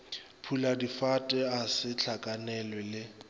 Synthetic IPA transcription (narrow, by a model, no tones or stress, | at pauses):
pʰuladifatʼɛasɪt͡ɬʰakʼanɛlwɛlɪ